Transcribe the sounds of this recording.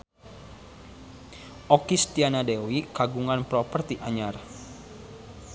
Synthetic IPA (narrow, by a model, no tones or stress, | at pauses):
ʔɔkist̪ianadewikaɡuŋanpɾɔpərt̪iʔaɲar